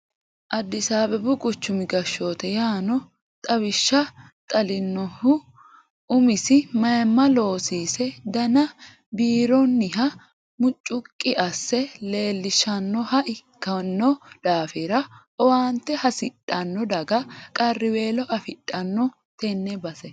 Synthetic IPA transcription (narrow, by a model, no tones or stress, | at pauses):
ʔɐd̪ːɪsaːbɛbʊkʼʊt͡ʃːʊmɪɡɐʃːoːt̪ɛjaːnɔ | t̪ʼɐβɪʃːɐ | t̪ʼɐlɪnːɔhʊ | ʊmɪsɪmɐjmːɐlo̞ːsiːsɛd̪ɐnɐ | biːɾɔnːɪɦɐ | mʊt͡ʃʼːʊkʼːɪʔɐsːɛle̞ːlːɪʃɐnːɔhɐʔɪkːɐnːɔd̪̥aːfɪɾɐ | ɔwaːnt̪ːɛhɐsɪtʼːɐnːɔd̪ɐɡɐkʼɐrːɪwe̞ːlɔʔɐfɪᶑʼːɐnːɔ | t̪ɛnːɛbɐsɛ